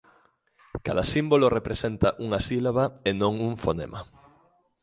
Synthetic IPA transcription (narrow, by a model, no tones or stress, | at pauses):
kaðɐsimbolorepɾesent̪ɐʔuŋasilaβaenõŋuŋfonḛmʔa̰